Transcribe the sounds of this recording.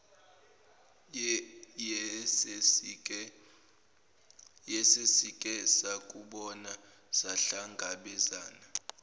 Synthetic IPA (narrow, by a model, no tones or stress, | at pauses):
ɛ | jɛsesikʼɛsakʼuɓɔna | z̥aɬaŋɡʱaɓɛzaːna